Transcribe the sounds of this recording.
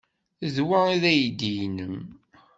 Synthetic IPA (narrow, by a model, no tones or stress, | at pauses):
ðwæiðæjd̪ijnəm